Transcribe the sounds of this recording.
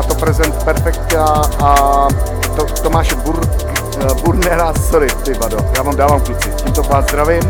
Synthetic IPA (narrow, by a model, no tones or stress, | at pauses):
at̪opɾɛzɛnt̪pɛɾfɛk̚t̪aa | t̪ot̪omaːʃɛbuɾk | buɾnɛɾasoɾɪt̪ɪvadojaːmaːmdaːvaːmkɪt͡sɪcimt̪opaːzd̪ɾavɪm